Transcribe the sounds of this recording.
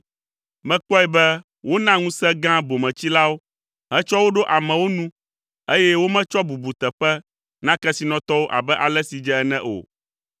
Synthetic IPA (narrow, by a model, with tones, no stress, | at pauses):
mɛ̃˦k͡pɔ˦ɛ˨bɛ˦ | wo˦nã˦ŋũ˦sɛ̃˦ɡã˦bo˨mɛ̃˨t͡ɕi˦la˦wo˦ | ɦɛ̃˦t͡ʃɔ˦wo˦ɖo˦ʔa˨mɛ̃˨wo˦nũ˦ | e˦jɛ˦wo˦mɛ̃˦t͡ʃɔ˦bu˨bu˨t̪ɛ˨ɸɛ˦ | nã˦kɛ˦si˨nɔ̃˨t̪ɔ˦wo˦ʔa̰˨bɛ˦ʔa˨lɛ˦si˨d͡ʒɛ˦ɛ˦nɛ̃˦ʔo̰˨